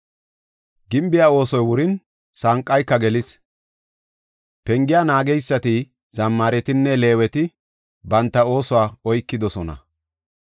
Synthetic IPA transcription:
ɡɪmbɪjaːo̞ːsɔjwʊɾɪn | saŋkʼːɐjkːɐɡɛlɪs | pɛŋɡɪjaːnaːɡɛjsːɐt̪ɪ | z̥ɐmːaːɾɛt̪ɪnːɛle̞ːwɛt̪ɪ | bɐnt̪ːɐo̞ːsɔwaːɔjkːɪd̪ɔsɔnɐ̰

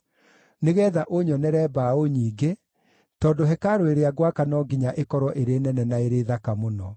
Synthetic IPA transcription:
neɣɛːðaʔoɲɔnɛɾɛbaoɲiːɡe | tɔːndoɦɛkaɾoeɾeaɣwakanɔɡiɲaʔekɔɾɔʔeɾenɛnɛnaeɾeðakamonɔ

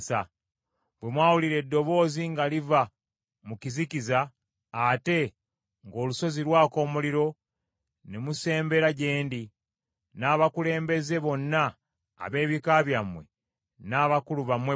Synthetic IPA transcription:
sa | bwe̞mwaːwuliɾe̞dːo̞βo̞ːziŋɡaliva | mucizicizaː | te̞ | ŋɡo̞ːluso̞ziɾwaːko̞ːmuliɾo̞ | nemuse̞ːmbe̞ɾaɟe̞ːndi | naːβakule̞ːmbe̞ze̞βo̞nːa̰ː | βe̞ːβikaβjamwe̞ | naːβakuluβamwe

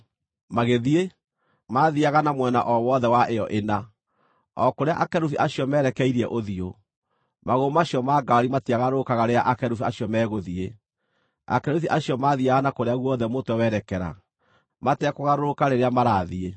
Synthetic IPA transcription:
maɣeðie | maðiaɣanamwɛna̰ʔɔwɔðɛwaʔejɔʔena | ɔkoɾeaʔakɛɾuθiʔaɕiɔmɛːɾɛkɛiɾiɛʔoðio | maɣomaɕiɔmaːɡaɾimatiaɣaɾookaɣaɾeaʔakɛɾuθiaɕiɔmɛːɣoðie | a̰kɛɾuθiʔaɕijɔmaðiaɣanakoɾeaɣwɔðɛmotwɛwɛɾɛkɛɾa̰ | matɛkɔɣaɾoɾokaɾeɾeamaɾaːðie

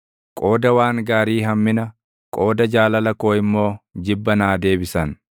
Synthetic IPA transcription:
kʼo̞ːd̪ɐwaːŋɡaːɾiːɦɐmːɪnɐ | kʼo̞ːd̪ɐd͡ʒaːlɐlɐko̞ːɪmːo̞ːd͡ʒɪbːɐnaːd̪e̞ːbɪsɐn

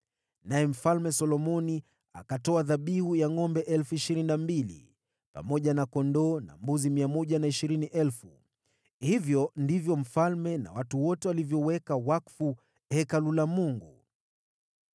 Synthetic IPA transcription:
najɛm̩falmɛsɔlɔmɔni | a̰katɔaðaɓihujaŋɔmbɛʔɛlfuiʃiɾininambilḭ | pa̰mɔʄanakɔndɔna̰mbuzimiamɔʄanaiʃiɾiniʔɛlfu | hivjɔndivjɔm̩falmɛna̰watuwɔtɛwalivjɔwɛkawakfu | hɛkalulamuŋɡu

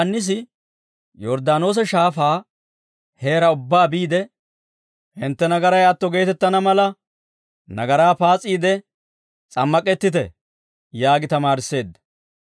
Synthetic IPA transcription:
ɐnːɪs̬ɪ | jɔɾd̪aːno̞ːs̬ɛʃaːfaː | he̞ːɾɐʊbːaːbiːd̪ɛ | hɪnt̪ːɛnɐɡɐɾɐjɐt̪ːɔɡe̞ːt̪ɛt̪ːɐnɐmɐlɐ | nɐɡɐɾaːpaːt͡sʼːiːd̪ɛ | t͡sʼɐmːɐkʼɛt̪ːɪt̪ɛ̰ | jaːɡɪt̪ɐmaːɾɪsːe̞ːd̪ːɐ̥

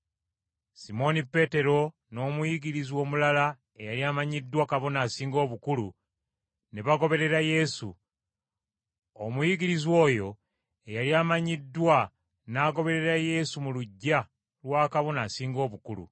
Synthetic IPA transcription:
simo̞nipe̞te̞ɾo̞ | no̞ːmujiɡiɾizwo̞ːmulala | ejaliaːmaɲidːwakaβo̞naːsiːŋɡo̞ːβukulṵ | neβaɡo̞βe̞ɾe̞ɾaje̞sṵ | omujiɡiɾizwo̞ːjo̞ | ejaliaːmaɲidːwa | naːɡo̞βe̞ɾe̞ɾaje̞sumuluɟːa | lwaːkaβo̞naːsiːŋɡo̞ːβukulṵ

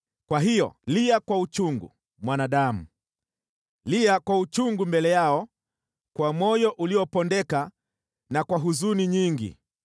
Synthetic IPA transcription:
kwaɦijɔ̰liakwaut͡ʃuŋɡṵ | mwanaɗamṵ | liakwaut͡ʃuŋɡumbɛlɛjaɔ | kwamɔjɔʔuliɔpɔndɛka | nakwaɦuzuniɲiŋɡḭ

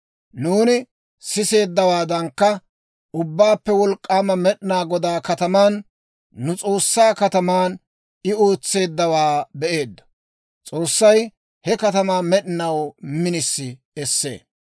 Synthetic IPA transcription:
nuːnɪ | sɪse̞ːd̪ːɐwaːd̪ɐŋkːɐ | ʊbːaːpːɛwɔlkʼːaːmɐmɛɗɪnaːɡɔd̪aːkɐt̪ɐmaːnː | ʊt͡sʼo̞ːsːaːkɐt̪ɐmaːn | ɪoːt͡sːe̞ːd̪ːɐwaːbɛʔe̞ːd̪ːɐ̥ | t͡sʼo̞ːsːɐj | hɛkɐt̪ɐmaːmɛɗɪnɐwmɪnɪsːɪ | ɛsːe̞̰ː

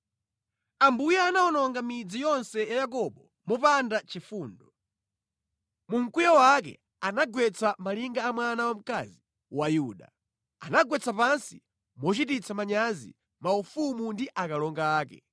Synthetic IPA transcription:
ambujɛːnaɔnɔŋɡamid͡zijɔnsɛjajak̬ɔɓɔ | mɔpandat͡ʃifuːndɔ | muŋ̩kujawak̬ɛ̰ | anaɡwɛt͡samaliŋɡaːmwanawam̩kazi | wajuːɗa̰ | a̰naɡwɛt͡sapansḭ | mɔt͡ʃitit͡sʰamaɲazḭ | maufumundiʔakalɔŋɡaːkɛ̰

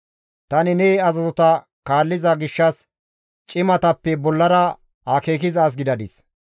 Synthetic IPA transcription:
t̪ɐnɪnɛːɐzɐzɔt̪ɐ | kaːlːɪzɐɡɪʃːɐs | t͡ʃʼɪmɐt̪ɐpːɛbɔlːɐɾɐ | hake̞ːkɪzɐːs̬ɡɪd̪ɐd̪ɪs

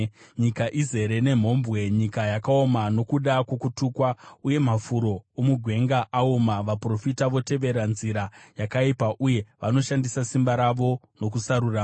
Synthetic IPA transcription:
ɲikaʔize̞ɾe̞ne̞m̤o̞mbwe̞ɲikajakao̞mano̞kuɗakwokutuːkwauje̞m̤afuɾo̞ːmuɡʱwe̞ŋɡaʔːomaʋapro̞fitaʋo̞te̞ʋe̞ɾanziɾajakaipaʔuje̞ʋano̞ʃandisasimbaɾaʋo̞ | no̞k̬usaɾuraː

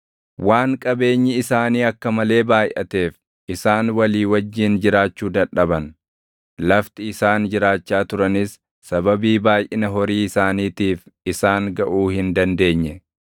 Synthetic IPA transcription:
waːŋkʼɐbe̞ːɲːɪɪsaːniːɐkːɐmɐle̞ːbaːjʔɐ̰t̪e̞ːf | ʔɪsaːnwɐliːwɐd͡ʒːɪnd͡ʒɪɾaːt͡ʃːuːd̪ɐᶑɗɐbɐn | lɐft̪ɪɪsaːnd͡ʒɪɾaːt͡ʃːaːt̪ʊɾɐnɪs | sɐbɐbiːbaːjʔɪnɐɦɔɾiːɪsaːniːt̪iːfɪsaːŋɡɐʔuːhɪnd̪ɐnd̪e̞ːɲːɛ

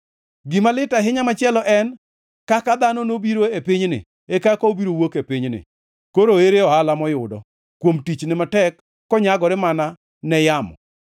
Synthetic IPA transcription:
ɡɪmalɪtaɦɪɲamat͡ʃɪɛlɔʔɛn | kakad̪anɔnobiɾoepɪɲnɪ̰ | ekakɔobiɾowokepɪɲnɪ̰ | koɾoeɾeɔhalamɔjʊdɔ̰ | kwomtit͡ʃnɪmatɛkː | ɔɲaɡɔɾɪmana | nɛjamɔ̰

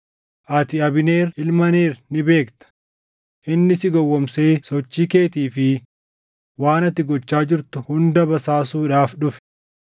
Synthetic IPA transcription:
ʔɐt̪ɪɐbɪneːɾɪlmɐne̞ːɾnɪbeːkt̪ɐ̥ | ʔɪnːɪsɪɡɔwːɔmse̞ːsɔt͡ʃːiːke̞ːt̪iːfɪ | waːnɐt̪ːɪɡɔt͡ʃːaːd͡ʒɪɾt̪ʊhʊnd̪ɐbɐsaːsuːᶑaːfᶑʊf

